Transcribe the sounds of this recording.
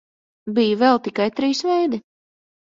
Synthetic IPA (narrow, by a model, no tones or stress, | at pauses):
bijvɛlˠt̪ikajt̪ɾiːsvɛjd̪i